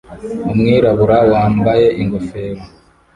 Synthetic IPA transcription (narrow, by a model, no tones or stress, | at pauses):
umŋiːɾaβuɾawaːmbaje̞ʔiŋɡofeːɾa